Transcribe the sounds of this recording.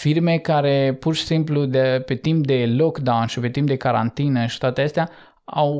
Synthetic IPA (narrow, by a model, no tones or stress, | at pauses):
firme̞kaɾe̞purʃi̥simplud̪pe̞t̪imp̚d̪e̞lokd̪awnʃipe̞t̪imp̚d̪e̞kaɾant̪inəʃi̥t̪oat̪eəst̪ea | aw